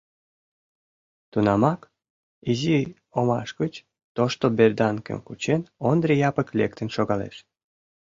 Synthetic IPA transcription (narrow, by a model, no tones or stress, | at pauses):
t̪unɑmɑk | izi | omɑ̰ʃɡət͡ɕ | t̪oʃt̪oberd̪ɑnkə̰mkut͡ɕenond̪rijɑpəklekt̪ənʃoɣɑlḛʃ